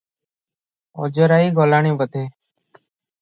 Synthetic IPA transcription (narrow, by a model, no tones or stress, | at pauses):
o̰ːd͡ʒəːɾaːiːɡoːlaːɳĩːʋət̪eː